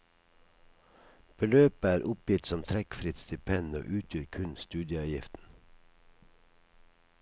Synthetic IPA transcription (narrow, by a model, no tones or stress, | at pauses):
b̥əløːpəæːɾʔʊpjɪt̪sɔmt̪ʰɾɛkfɾɪt̪st̪ɪpʰɛno̰ʔʉːt̪ʰjøːɾkʰʉnst̪ʉːd̪jəɑːjɪft̪n̩